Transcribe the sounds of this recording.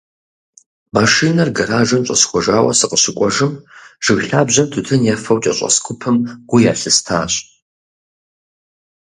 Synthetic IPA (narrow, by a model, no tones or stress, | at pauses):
maʂiːnɐrɡɐɾaːʒɐmɕʼɐsxʷɔʒaːwɐ̰sɨqəɕɪkʷʼɔʒɨmʒ̥ɨɣɬaːbʑɐmtʰutʰɨnjɛfɐwt͡ʃʼɐ̰ɕʼɐ̰skʷʰʊpʰɨmɡ̥ʷʊjaːɬɨstʰaːɕʼ